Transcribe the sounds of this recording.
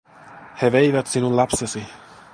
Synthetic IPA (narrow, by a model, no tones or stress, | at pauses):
heʋejʋæt̪sinullɑpsesi